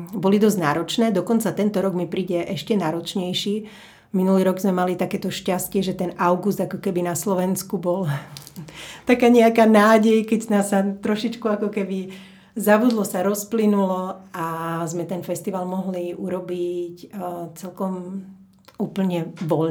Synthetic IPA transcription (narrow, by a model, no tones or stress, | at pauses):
bɔlid̪ɔzɟnaːɾɔt͡ʃnɛːd̪ɔkɔnt͡sat̪ɛnt̪ɔɾɔɡmipɾiːɟɛʔɛʃcɛnaːɾɔt͡ʃɲɛjʃiː | minuliːɾɔɡzmɛmalit̪akɛːt̪ɔʃcascɪɛʒɛt̪ɛnaʊɡuzd̪akɔkɛbinaslɔʋɛnskubɔl | t̪akaːɲɛakaːnaːɟɛjkɛɟnasat̪ɾɔʃit͡ʃkuakɔkɛbi | zabud̪lɔsaɾɔsplinulɔazmɛt̪ɛnfɛst̪iʋalmɔɦliuɾɔbict͡sɛlkɔm | uːpl̩ɲɛʋɔʎ